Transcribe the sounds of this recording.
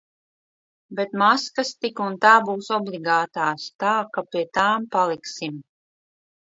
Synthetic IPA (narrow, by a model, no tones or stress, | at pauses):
bet̪maskast̪ikunt̪aːbuːsɔbliɡaːt̪aːst̪aːkapʲiɛt̪aːmpalˠiksim